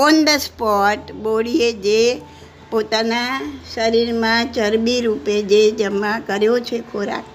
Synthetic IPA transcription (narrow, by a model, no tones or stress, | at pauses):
ond̪əspɔʈboɭied͡ʒe | pot̪anaʃəɾiɾmãt͡ʃəɾbiɾuped͡ʒed͡ʒəmãkəɾjot͡ʃʰekʰoɾa̰k